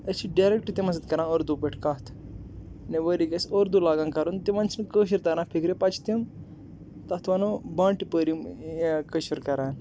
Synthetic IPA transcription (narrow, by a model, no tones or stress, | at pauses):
ɐt͡ʃʰiɖaɾek̚ʈt̪imɐsɐt̪kɐɾãnoɾd̪ubeʈʰkaɦt̪ʰ | neʋəɾiɡɐsoɾd̪ulaːɡaːnkɐɾunt̪imɐnt͡ʃʰinkəʃ̬iɾt̪ɐɾnapʰikɾipɐt͡ʃʰt̪im | t̪ɐt̪ʰʋɐnobaːɳʈipəɾimkəʃuɾkɐɾaːn